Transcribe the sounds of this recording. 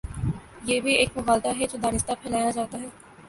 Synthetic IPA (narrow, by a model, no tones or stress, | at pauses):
jeːbʱieːkmʊɣaːlt̪aɦɛd͡ʒoːd̪aːnɪst̪apʰɛːlaːjad͡ʒaːt̪aɦɛː